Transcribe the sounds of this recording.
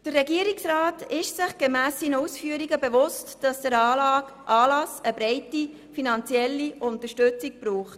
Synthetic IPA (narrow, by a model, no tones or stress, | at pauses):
d̥ərːɛɡiəɾiksrɑːtɪʃsɪχɡ̥emæːsinəusfyːəɾiɡəbeʋʊstd̥ɑsd̥æɾɑːlɑk | ʔɑːlɑsəbɾɛɪti | finɑnt͡sjɛlːiʊntəʃtɵt͡sik̚b̥ɾuːχt